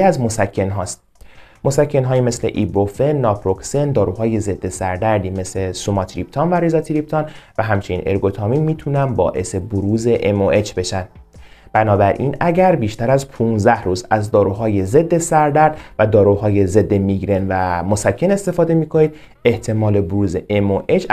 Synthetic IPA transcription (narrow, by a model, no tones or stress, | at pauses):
æzmo̞sækʰːe̞nɦɒːst̪ | mo̞sæcʰːe̞nɦɒːjimesle̞̰ʔibofenːɒːpʰɾo̞ksend̪ɒːɾuːɦɒːje̞ze̞d̪ːe̞sæɾd̪æɾd̪iːme̞sle̞sumɒt̪ʰɾip̚t̪ʰɒːnvæɾizɒt̪ʰiɾip̚t̪ʰɒːnvæɦæmt͡ʃʰenḭːnʔeɾɡo̞t̪ʰɒːmiːmiːt̪ʰunænbɒ̰ːʔe̞̰se̞boɾuːze̞ʔemoʔe̞t͡ʃʰbe̞ʃænd̪b̥ænɒːbæɾʔiːnæɟæɾbiːʃt̪æɾæzpʰunzæhɾuːzæzd̪ɒːɾuːɦɒːjeze̞d̪ːe̞sæɾd̪æɾd̪̥væd̪ɒːɾuɦɒːje̞ze̞d̪ːe̞miɡɾe̞nvæmo̞sækʰːe̞ne̞st̪e̞fɒːd̪e̞miːkʰoniːd̪̥ | e̞ht̪ʰe̞mɒːle̞boɾuːze̞ʔemoʔet͡ʃ